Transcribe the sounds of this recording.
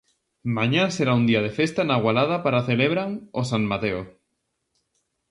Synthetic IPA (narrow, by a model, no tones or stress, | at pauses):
mãɲaseɾaund̪iað̞efest̪anaɣwalað̞apaɾaθeleβɾaŋosaŋmat̪eo